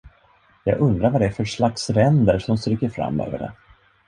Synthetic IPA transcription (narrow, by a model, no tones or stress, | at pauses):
jɑːɡɵnd̪ɾaɾvad̪ɛæɾfœɾʂlaksɾɛnd̪əɾʂɔmst̪ɾʏkːəɾfɾa̰mːø̰ːvə̰ɖɛ̰